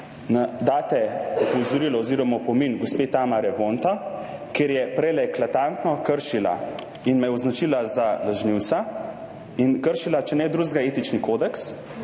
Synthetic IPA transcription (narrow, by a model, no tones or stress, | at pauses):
nad̪aːt̪ɛɔpɔwzɔɾiːlɔoziːɾɔmapɔminɡospeːt̪aːmaɾɛʋont̪akeːɾjɛpɾɛlɛklat̪ant̪nɔkəɾʃila̰ | inmɛjɛɔznat͡ʃiːlazalaʒniw̪sa | inkəɾʃilat͡ʃɛnɛd̪ɾuːzɡaeːt̪it͡ʃnikoːd̪ɛks